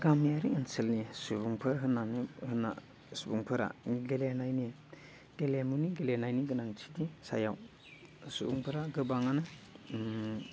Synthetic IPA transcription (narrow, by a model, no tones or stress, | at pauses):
ɡamjaɾiŋɯnselnisubuŋpʰɯɾɦɯnanihɯna̰ | subuŋpʰɯɾa̰ŋiɡelenajni | ɡ̥elemuniɡelenajniɡɯnaŋtʰi̥disa̰jaw | subuŋpʰɯɾaɡɯbaŋanɯ